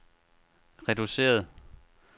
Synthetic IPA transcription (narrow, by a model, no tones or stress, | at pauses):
ʁɛd̥use̝̰ːɐð̞ˠ